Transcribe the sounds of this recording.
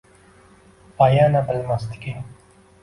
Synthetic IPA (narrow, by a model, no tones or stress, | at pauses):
paːjaːnabəlmast̪i̥ki